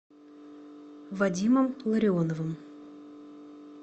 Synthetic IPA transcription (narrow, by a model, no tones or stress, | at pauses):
vadʲiməmlˠəɾʲɪonovəm